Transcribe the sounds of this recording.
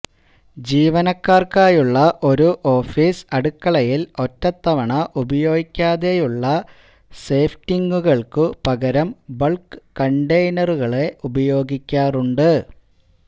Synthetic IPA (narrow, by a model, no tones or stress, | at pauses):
d͡ʑiːʋɐnɐkːaːrkaːjuɭːɐʔo̞ɾuʔo̞ːfiːsɐɽukːɐɭɐjilo̞tːɐt̪ːɐʋɐɳɐʔubɐjo̞ːɡikʲːaːðe̞juɭːɐ | se̞ːftiŋɡuɣɐɭkɨpɐɣɐɾɐmbɐɭkkːɐɳɖejnɐruɣɐɭe̞ʔubɐjo̞ːɡikʲːaːruɳɖɨ